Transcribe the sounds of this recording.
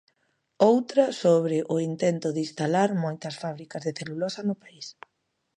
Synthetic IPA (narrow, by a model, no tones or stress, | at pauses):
owt̪ɾɐsoβ̞ɾɪʔʊint̪ɛnt̪ʊðist̪alaɾmojt̪ɐsfaβ̞ɾikɐzðeθelulɔsɐnʊpais